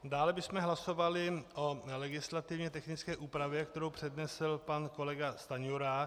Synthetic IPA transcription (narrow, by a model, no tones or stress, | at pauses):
daːlɛbɪsmɛɦlaso̞valɪʔolɛɡɪslat̪ɪvɲɛt̪ɛxnɪt͡skɛːʔuːpɾavjɛkt̪ɛɾowpr̝̥ɛdnɛslpanko̞lɛɡast̪aɲuɾa